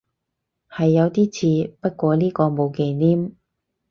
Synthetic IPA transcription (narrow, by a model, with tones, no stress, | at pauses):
hɐ˨jːɐ˨˧wt̪iː˥t͡sʰiː˧pɐ˥t̚kʷɔː˧liː˥kɔː˧mo˨˧wke˨˧jniː˥m